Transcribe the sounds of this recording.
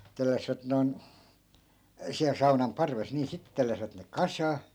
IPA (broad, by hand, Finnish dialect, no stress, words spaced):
telːæsʋæt noi̯n siæl sɑunɑm pɑrʋes niː sitːĕ telːæsĭʋæt ne kɑsɑː